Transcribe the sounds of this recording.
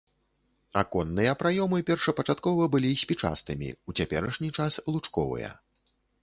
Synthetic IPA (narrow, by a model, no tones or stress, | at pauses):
a̰kɔnːɨjɐpɾajɔmɨpʲɛrʂɐpɐt͡ʂat̪kɔvɐbɨlʲisʲpʲit͡ʂa̰st̪ɨmʲḭut͡sʲapʲɛɾɐʂnʲit͡ʂaslˠut͡ʂkɔvɨ̰jɐ̰